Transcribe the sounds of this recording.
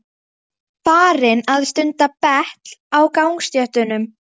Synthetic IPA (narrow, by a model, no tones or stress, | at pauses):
faːɾɪnaðst̪ʏnt̪apɛht̪l̥awkaːwŋkst̪jœht̪ʏnʏm